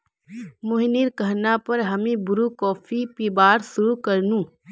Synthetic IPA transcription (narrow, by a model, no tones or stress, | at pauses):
mʊɦniːɾkɐɦnapɐɾɦɐmẽbʊɾukɔːfʰipiːbaːɾsʊɾukɐɾnũː